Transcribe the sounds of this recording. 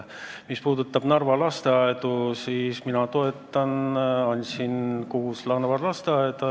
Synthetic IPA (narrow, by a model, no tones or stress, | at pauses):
mispuːd̪ut̪ːˑɑb̥nɑrvɑlɑst̪eɑet̪usiːsminɑt̪o̞et̪ːˑɑnɑnʲt̪sinkuhuslɑrvɑlɑst̪eɑed̪ɑ